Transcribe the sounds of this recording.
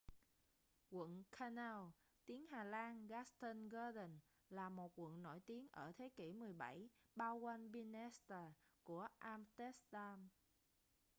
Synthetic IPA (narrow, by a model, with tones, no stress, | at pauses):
kwə̰˧˨nkʰa˧naː˧w | t̪i˨˦əŋhaː˨˩laː˧nɣaː˦˥st̪ə˧nɣa˧ɗə˨˩n | laː˨˩mo˨˩t̚kwə̰˧˨nːo̰˧˩jt̪i˨˦ənʔəː˧˩t̪ʰe˨˦kḭ˧˩mɨ˨˩əjɓa˧˩jɓaː˧wkwa˧nvi˧nɛ˦˥st̪aː˧˩ku˧˩əʔaː˧mt̪ɛ˦˥st̪aː˧m